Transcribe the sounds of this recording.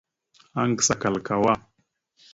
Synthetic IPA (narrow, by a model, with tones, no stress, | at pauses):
a˦ŋɡə˨sa˨ka˨lka˨wa˦